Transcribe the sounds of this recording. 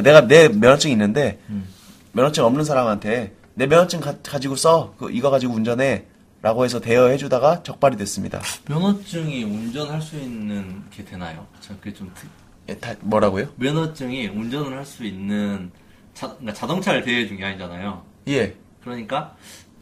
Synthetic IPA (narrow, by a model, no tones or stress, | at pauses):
ne̞ɡane̞mjʌnʌt͡ɕ͈ɯŋinːɯnde̞ | mjʌnʌt͡ɕ͈ɯŋʌmnɯns̬ʰaɾamɦantʰe̞ | ne̞mjʌnʌt͡ɕ͈ɯŋkakad͡ʑiɡos͈ʌkɯ̰ʔiɡʌɡad͡ʑiɡound͡ʑʌne̞ | ɾʔaɡoɦe̞sʰʌte̞jʌɦe̞d͡ʑudaɡat͡ɕʌk̚p͈aɾidwe̞s͈ɯmɲḭda̰mjʌnʌt͡ɕ͈ɯŋiund͡ʑʌnɦaɭs͈uinːɯnkʰe̞dwe̞najokɯ̥t͡ɕʰakket͡ɕomtɯ | jetamwʌɾaɡojomjʌnʌt͡ɕ͈ɯŋiund͡ʑʌnɯɭhaɭs͈uinːɯn | t͡ɕakat͡ɕadʌŋt͡ɕʰaɾɯte̞ed͡ʑuŋiɦaɲid͡ʑanajo | je̞ | kɯɾʌɲik͈a